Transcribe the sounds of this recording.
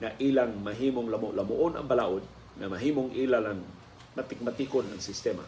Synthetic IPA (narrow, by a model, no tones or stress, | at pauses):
ŋaʔilaŋmaɦiːmʊŋlamʊlamʊʔʊna̰ŋbalaːʔod̪̚ | ŋamaɦiːmoŋʔilalaŋ | mat̪ɪk̚mat̪ikonaŋsɪst̪ɛma̰